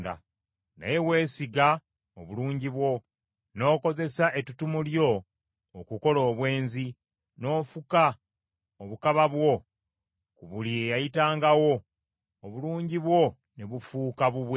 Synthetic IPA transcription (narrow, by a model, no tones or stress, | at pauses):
da̰ | na̰je̞we̞ːsiɡa | oβuluːɲɟiβwo̞ | no̞ːko̞ze̞saʔe̞tutumuljo̞ː | kuko̞lo̞ːβwe̞ːnzi | no̞ːfuka | oβukaβaβwo̞ | kuβuliejajitaːŋɡawo̞ː | βuluːɲɟiβwo̞ | neβufuːkaβuβwe